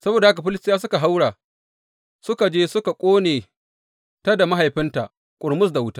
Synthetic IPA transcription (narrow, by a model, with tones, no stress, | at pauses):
sɐ˦boː˨da˨˦ka˨ɸɪ˦lɪ˦stjaː˦sʊ˦ka˨ɦa˦wɽaː˨ | sʊ˦ka˨d͡ʒeː˦sʊ˦ka˨kʷʼoː˦neː˨ | ta˦da˨ma˦ɦa˨jɸɪ˦nta˨ʔ | kʷʼʊ˨ɾmʊ˦s̬da˨wʊ˦taː˦